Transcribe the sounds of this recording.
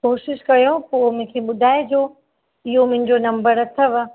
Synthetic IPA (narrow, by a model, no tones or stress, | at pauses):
koːʃɪʃkɐjõpoːmʊ̃ɦkʰeɓʊd̪ʱaːed͡ʑoː | ɪɦomʊ̃ɦɪ̃ɲd͡ʑonɐ̃mbəɾɐt̪ʰəʋ